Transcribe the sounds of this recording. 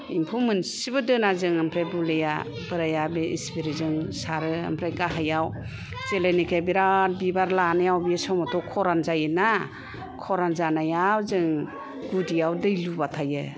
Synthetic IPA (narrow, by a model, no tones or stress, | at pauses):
impʰumɯnsibɯdɯnazɯŋampʰɾajbuleja̰ | bɯɾajabeispiɾizɯŋsaɾɯa̰mpʰɾajkaɦajaw | zelenikʰabiɾat̚bibaɾlanajawbijesɔmɔtʰɔkʰɔɾanzajɯna | kʰɔɾanzanajawzɯŋ | ɡudijawdɯjlubatʰajɯ